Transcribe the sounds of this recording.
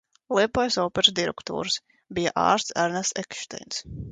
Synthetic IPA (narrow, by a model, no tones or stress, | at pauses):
lˠiɛpɔjsɔːpɛɾsd̪iɾɛkt̪ṵːɾs | bijaʔa̰ːɾst̪sæɾnasɛ̰kʃt̪ɛ̰jns